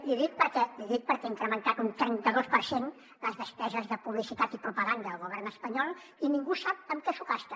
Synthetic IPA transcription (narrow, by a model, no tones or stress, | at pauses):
liðik̚pəɾkɛliðik̚pəɾkɛiŋkɾəmənt̪at̪unt̪ɾɛnt̪əðospəɾsen | ləzðəspɛzəzðəpuβlisit̪at̪ipɾupəɣand̪əːlˠɣuβ̞ɛrnəspəɲɔlˠ | iniŋɡusap̚əmkɛsukast̪ə